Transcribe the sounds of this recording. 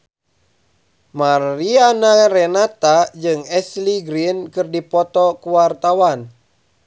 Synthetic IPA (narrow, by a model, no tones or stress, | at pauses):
marianarɛnat̪ad͡ʒɨŋɛsliɡɾinkɨrdipɔt̪ɔkuwart̪awan